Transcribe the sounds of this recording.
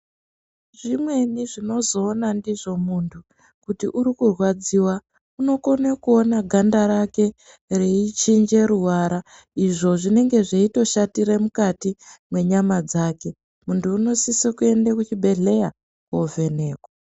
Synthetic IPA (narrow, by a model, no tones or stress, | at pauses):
ʐimwe̞niʐino̞zo̞ːnandiʐo̞muntʰu | kutiʔuɾikurwad͡ziwa | uno̞ko̞nakuonaɡʱandaɾake̞ | reit͡ʃind͡ʒe̞ɾuɦwaɾa | iʐo̞ʐine̞ŋɡe̞ʐeito̞ʃatiɾemukatimwe̞ɲamad͡zaːke̞ | muntʰuːno̞sisikue̞ndakut͡ʃibʱe̞ɮe̞ja | kove̞ne̞ːkwa